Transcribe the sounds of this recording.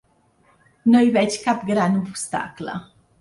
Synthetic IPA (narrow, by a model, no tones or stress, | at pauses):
nɔjvɛt͡ɕkapɡɾanvupst̪a̰klə̰